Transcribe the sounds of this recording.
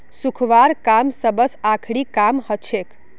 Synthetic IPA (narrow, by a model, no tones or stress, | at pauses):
sukʰʋaɾkamsəbəsakʰɽikamhət͡ʃʰek